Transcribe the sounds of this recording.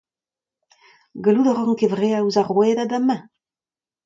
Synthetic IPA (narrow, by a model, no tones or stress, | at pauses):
ɡaludɔʁɑ̃ŋkevʁeauzaʁwɛdadamɛ̃